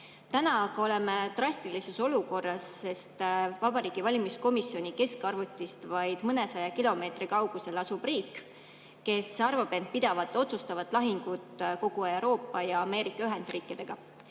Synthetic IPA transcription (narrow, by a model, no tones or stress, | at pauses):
t̪ænɑɡɑo̞le̞me̞t̪rɑsʲt̪ilise̞so̞luko̞rːɑsːe̞st̪vɑbɑɾiːɡ̥ivɑlʲimisko̞misːio̞nʲike̞skɑrvut̪ʲːˑist̪vɑjd̪̥mɤne̞sɑjɑkilo̞me̞ːt̪rikɑwɡ̥use̞lɑsub̥riːkˑː | e̞sɑrvɑb̥e̞n̚pid̪ɑvɑt̪ːˑo̞t̪sust̪ɑvɑt̪ˑlɑɦiŋɡ̥ut̪ko̞ɡ̥ue̞wɾo̞ːpːˑɑjɑːme̞ːɾikːˑɑyɦe̞nd̪̥riːkːˑid̪̥e̞ɡ̥ɑ